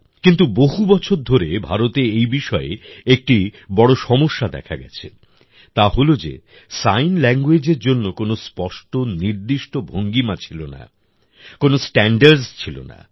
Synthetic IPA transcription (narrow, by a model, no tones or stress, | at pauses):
kint̪uboɦubɔt͡ɕʰoɾd̪ʱoɾebʱaɾot̪eejbiʃɔḛek̚ʈibɔɽoʃɔmoʃːad̪ɛ̰kʰa̰ɡɛ̰t͡ɕʰḛ | t̪aɦolod͡ʑḛ | sajnlɛŋɡwed͡ʑeɾd͡ʑonːokonospɔʃʈoniɾd̪iʃʈobʱoŋɡimat͡ɕʰilona̰ | konosʈɛɳɖaɾɖst͡ɕʰilo̰na̰